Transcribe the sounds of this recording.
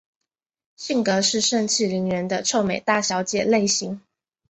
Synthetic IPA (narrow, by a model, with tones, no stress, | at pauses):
ɕi˥˩ŋkɤ˧˥ʂɻ̩˥˧ʂə˥˧nt͡ɕʰi˥˩li˧˥nɥɻə˧˥nd̪ə˧ʈ͡ʂʰo˥˩ʊme˨˩ɪt̪a˥˩ɕjɑ˧˥ʊt͡ɕjɛ̰˨˩le˥˩ɪɕi˧˥ŋ